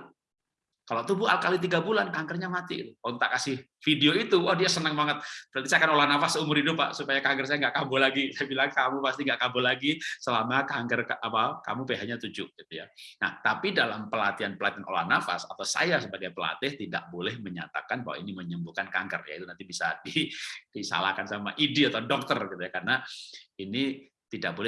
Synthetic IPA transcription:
kalot̪ubuha̰lkalit̪̬iɡabulankaŋkərɲamat̪it̪uɔt̪aʔkasɪh | fideoit̪uwahdiasənəŋmaŋət̪̚pəɾant̪isakanolahnafasəumʊɾidʊpːaʔsupajakaŋɡərs̬ajaŋɡaʔkambolaɡisabilaŋkamupast̪iŋɡaʔkambolaɡisəlamakaŋɡərapaka̰mupeɦaɲat̪ud͡ʒʊʔɡ̥it̪uja̰na̰ht̪apidalampəlat̪ianpəlat̪iano̰la̰hnafa̰sat̪awsa̰jasəbaɡajpəla̰t̪ɪht̪ida̰ʔ̚bolɛhməɲa̰t̪a̰kanba̰wa̰iniməɲəmbukanka̰ŋɡərja̰it̪unant̪ibisa̰did̥isa̰la̰hkansama̰ʔidiat̪awdɔk̚t̪ərɡit̪ujakarnaini | t̪idaʔ̚bolɛ

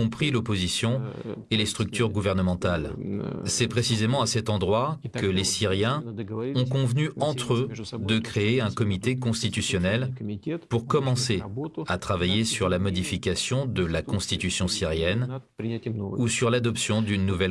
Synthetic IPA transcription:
ɔ̃pχilɔpozisjɔ̃elest̪χyk̚t̪ʰyʁɡuvɛʁnəmɑ̃t̪alsɛpχesizemɑ̃asɛt̪ɑ̃d̪ʁwakəlesiʁjɛ̃ɔ̃kɔ̃vnyɑ̃t̪χød̪əkχeːɛ̃kɔmit̪ekɔ̃st̪it̪ysjɔnɛlpuʁkɔmɑ̃seat̪χavajesyʁlamɔd̪ifikʲasjɔ̃d̪əlakɔ̃st̪it̪ysjɔ̃siʁjɛn | usyʁlad̪ɔpsjɔ̃d̪ynːuvɛl

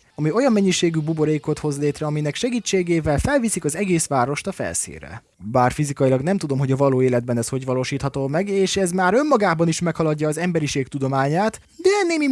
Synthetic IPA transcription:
ɒmio̞jɒmːɛɲːiʃeːɡybubo̞ɾeːkot̪ho̞zleːt̪ɾrɛɒminɛkʃɛɡiːt͡ʃːeːɡeːvɛlfɛlvisikɒzɛɡeːsʋaːɾo̞ʃt̪ɒfɛ̰lsḭːrɛ̰ | baːrfizikɒjilɒɡnɛmt̪ud̪o̞mɦo̞ɟɒvɒloːeːlɛd̪̚bɛnɛsho̞ɟʋɒloːʃiːt̪hɒt̪oːmɛɡeːʃɛzmaːɾø̞mːɒɡaːbɒniʃmɛkhɒlɒɟːɒːzɛmbɛɾiʃeːkt̪ud̪o̞maːɲaːt̪ | d̪ɛɛnːeːmi

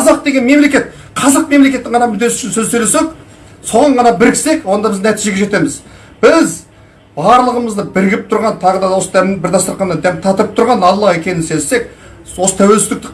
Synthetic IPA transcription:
qɑzɑq̚d̪e̞ɡʲe̞nme̞mle̞kʲe̞t̪̚ | qʰɑzɑq̚me̞mle̞kʲe̞t̪ːɪɴʁɑnɑmʏd̪e̞sʏ̥ʃɪnsɵzsɵjle̞sek | so̞ʁɑɴʁʰɑnɑbɪɾkʲʰɪ̥se̞kwo̞nd̪ɑbɪznæt̪ijʒe̞ɡʲeʒe̞t̪e̞mɪz | b̥ɪz | bɑɾlˠəʁəməzd̪əbɪɾɡʲɪp̚t̪ʰʊɾʁɑnt̪ʰɑʁəd̪ɑd̪wo̞səd̪æmbɪɾd̪ɑst̪əɾqɑnːɑnd̪æmt̪ʰɑt̪əp̚t̪ʰʊɾʁɑnɑlˠːɑekʲe̞nɪnse̞se̞k̚ | wo̞sə̥t̪ʰæwelsɪzd̪ɪk̚t̪ɪ

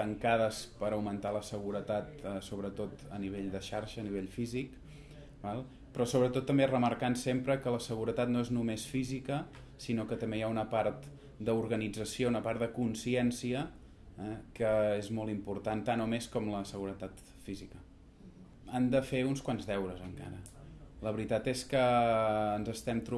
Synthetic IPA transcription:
t̪əŋkaðəspəɾəwmənt̪aləsəɣuɾət̪at̪əsoβɾət̪ot̪əniβ̞eʎd̪əʃaɾʃəːniβ̞eʎfizik | balˠ | pɾɔsoβɾət̪ot̪ːəmberəməɾkansempɾəkələsəɣuɾət̪at̪noeznumesfizikə | sinokət̪əmbejaunəpart̪ | d̪əuɾɣənid͡zəsiounəpart̪d̪əkunsiɛnsiə | ɛkəezmɔlˠimpuɾt̪ant̪anomeskɔmləsəɣuɾət̪at̪ | fizikə | and̪əfeunskwanzðɛwɾəzəŋka̰ɾələβɾit̪at̪eskəː | nzəst̪ɛmt̪ɾu

